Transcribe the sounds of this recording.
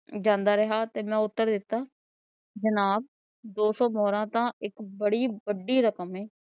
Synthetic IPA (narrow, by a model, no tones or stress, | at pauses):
d͡ʒãːnd̪aːɾəɦaːt̪eːmɛ̃ːʊt̪ːəɾd̪ɪt̪ːaː | d͡ʒənaːb̚ | d̪oːsɔːmɔːɾãːt̪ãːɪkbəɽiːbəɖiːɾəkəmeː